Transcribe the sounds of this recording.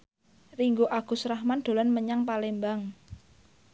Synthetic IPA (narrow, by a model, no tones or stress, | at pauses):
riŋɡoʔaɡ̥ṳsɾahmand̪̥o̤lanməɲaŋpalembaŋ